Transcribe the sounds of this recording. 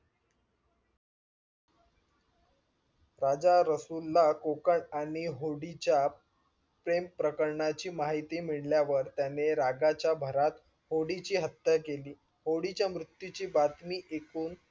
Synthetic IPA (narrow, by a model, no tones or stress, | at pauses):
ɾad͡ʑaɾəsulːakokəɳaɽ̃iɦoɽit͡ɕja | pɾempɾəkəɾɳat͡ɕiːmaɦit̪iːmiɭljaʋəɾt̪janeɾaɡat͡ɕjabʱəɾat̪ | hoɽit͡ɕiːɦət̪ːjəkeliː | hoɽit͡ɕjamɾut̪jut͡ɕiːbat̪miːʔekuːn